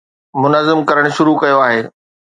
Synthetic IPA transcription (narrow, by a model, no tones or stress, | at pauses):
mʊnəzɪmkɐɾəɽ̃ʃʊɾukɐjoaːɦeː